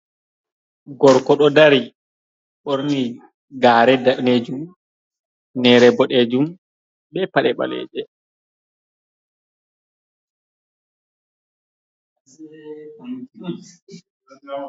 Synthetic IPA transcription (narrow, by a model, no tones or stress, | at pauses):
ɡɔɾkɔɗɔdaɾi | ɓoɾni | ɡaːɾɛdaneːd͡ʒum | nɛɾɛbɔɗed͡ʒum | bɛpaɗɛɓa̰lɛ̰ːd͡ʒɛ